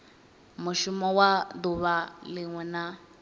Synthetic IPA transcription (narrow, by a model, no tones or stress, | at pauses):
mʊʃumɔwad̪uβalɪŋwɛna